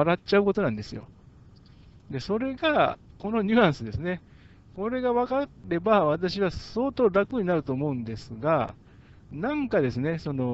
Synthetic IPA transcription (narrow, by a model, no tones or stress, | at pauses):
aɾatt͡ɕaɯ̟ko̞t̪o̞nãnd̪e̞sɨjo̰ | d̪e̞so̞ɾe̞ɡako̞no̞ɲɨ̟ãɰ̃sɨd̪e̞sɨne̞ | ko̞ɾe̞ɡaβakaɾe̞baβat̪̬aɕiβaso̞ːt̪o̞ːɾakɯ̟ɲ̟inaɾɯ̟t̪o̞ːmo̞ɯ̟̃nd̪e̞sɨɡa | nãŋkad̪e̞sɨne̞so̞no̞